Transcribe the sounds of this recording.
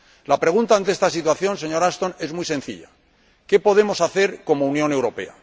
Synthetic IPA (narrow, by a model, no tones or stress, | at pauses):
lapɾe̞ɣunt̪ant̪eest̪asit̪waθjo̞nse̞ɲo̞ɾast̪o̞ne̞zmjse̞n̟θḭʎa | ke̞po̞ðe̞mo̞saθe̞ɾko̞mounjõ̞ne̞wɾo̞pe̞̰a̰